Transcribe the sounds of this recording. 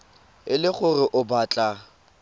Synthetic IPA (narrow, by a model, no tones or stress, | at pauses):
ɪlɪχʊrɪʔʊbat͡ɬʼa